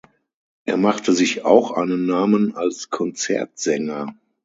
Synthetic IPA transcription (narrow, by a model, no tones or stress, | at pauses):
ʔeːɐmaχtʰəzɪça̰ʊxʔa̰ɪnənːaːmənalskʰɔnt͡sɛ̰ɐtz̥ɛŋɐ